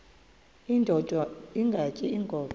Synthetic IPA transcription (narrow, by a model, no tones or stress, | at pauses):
indʱɔd̥ʱaiŋɡʱacʼiiŋɡʱɔːɓ